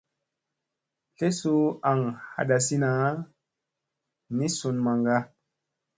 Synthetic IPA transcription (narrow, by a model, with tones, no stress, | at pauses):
ɬe˦su˦a˨ŋha̰˨ɗa˨si˦na˨˦ | ni˦su˨nma˨ŋɡa˦